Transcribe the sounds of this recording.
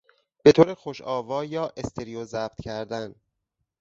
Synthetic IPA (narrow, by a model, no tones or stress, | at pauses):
b̥e̞t̪ʰoːɾexoʃɒːvɒːjɒːʔest̪ʰeɾijozæb̥̚t̪cʰæɾd̪æn